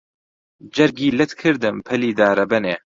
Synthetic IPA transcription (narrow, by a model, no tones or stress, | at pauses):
d͡ʒɐɾɡiːlɨt̪kʰɨɾd̪ɨmpʰɐliːd̪aːɾɐbɐneː